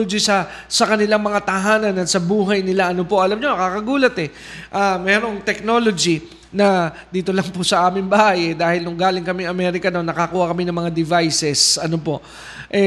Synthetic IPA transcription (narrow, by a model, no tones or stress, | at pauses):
od͡ʒisɐ | sɐkɐnɪlaŋmɐŋat̪ɐɦaːnɐnɐt̪sɐbuːɦɐjnɪlaʔɐnopo̞ʔɐlamɲo̞nɐkaːkɐɡuːlɐt̪ɛ | ʔaːmɛːɾo̞ŋt̪ɛk̚no̞ːlo̞d͡ʒi | nɐ | d̪iːt̪o̞lɐŋpʊsɐʔaːmɪŋbaːjɛd̪aːhɪlnʊŋɡaːlɪŋkɐmɪŋɐmɛːɾɪkɐno̞nːɐkɐkuːhɐkɐmɪnɐŋmɐŋad̪ɪvajsɛsɐnopo̞ʔ | ʔɛ